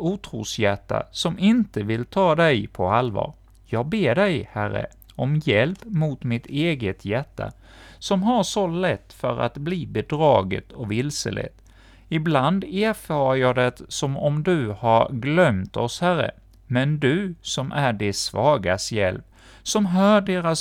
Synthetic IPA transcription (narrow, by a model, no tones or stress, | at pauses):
uːt̪ʰɾuːsjæʈːa̰sɔmɪnt̪əvɪlt̪ʰɑːd̪ɛjpʰɔalvɑ̰ːɾ | jɑːɡ̚beːɖɛjhærːə̰ | ɔmjɛlpmut̪mɪt̪ʰeːɡət̪ʰjæʈːa̰ | sɔmɦaʂɔlɛt̪ːfœ̰ɾa̰t̪bliːbɛd̪ɾɑːɡə̰t̪ʰɔvɪlsə̰lʔɛ̰t̪ | ɪbland̪eːɾfɑːɾajɑd̪ɛt̪sɔmɔmd̪ɵhaɾɡlœmt̪ɔshæɾə̰ | mɛnd̪ɵsɔmʔæɖɛsvɑːɡasjɛlp | sɔmɦœːɖeːɾas